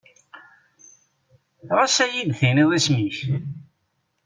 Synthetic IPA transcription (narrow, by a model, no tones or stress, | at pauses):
ɾasæjid̪θiniðˤismiç